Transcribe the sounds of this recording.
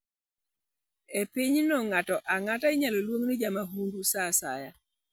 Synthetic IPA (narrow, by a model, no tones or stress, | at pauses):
epiɲnɔŋatɔʔaŋataɪɲalolwoŋnɪd͡ʒamaɦundusasa̰ja